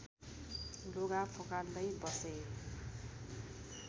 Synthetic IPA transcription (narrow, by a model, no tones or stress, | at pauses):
loɡapʰokald̪ʌjbʌse